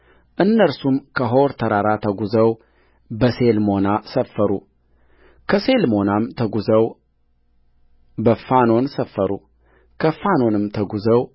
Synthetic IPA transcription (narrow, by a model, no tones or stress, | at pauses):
ʔɨnːəɾsumkʰəɦoɾt̪ʰəɾaɾat̪ʰəɡuzəw | bəselmo̞nasəfːəɾṵ | kʰəse̞lmo̞namt̪ʰəɡuzəw | bəfano̞nsəfːəɾṵ | kʰəfano̞nɨmt̪ʰəɡuzəw